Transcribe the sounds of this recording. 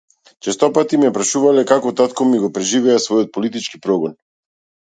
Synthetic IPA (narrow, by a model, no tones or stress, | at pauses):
t͡ʃɛst̪ɔpat̪imɛpɾaʃuvalɛkakɔt̪at̪kɔmiɡɔpɾɛʒivɛasvɔjɔt̪̚pɔlit̪it͡ʃkipɾɔɡɔn